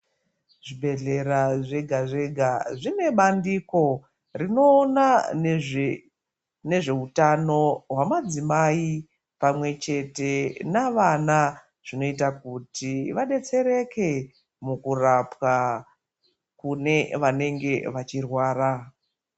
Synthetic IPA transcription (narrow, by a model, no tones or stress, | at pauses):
ʐibe̞ɮe̞ɾaʐeɡʱaʐeɡʱaʐine̞ɓandiko̞ | rino̞ːna | ne̞ʐe̞utano̞ɦwamad͡zimai | pamwe̞t͡ʃe̞te̞naʋana | ʐ̥ino̞it̬akutiʋaɗe̞t͡se̞ɾe̞ke̞ | mukurapwa | kune̞ʋane̞ŋɡe̞ʋat͡ʃirwaːra